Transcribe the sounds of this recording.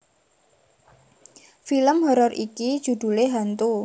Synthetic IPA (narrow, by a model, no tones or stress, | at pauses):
filəmɦɔɾɔrʔiki̥ʒ̥ṳd̪̥ṳleɦant̪u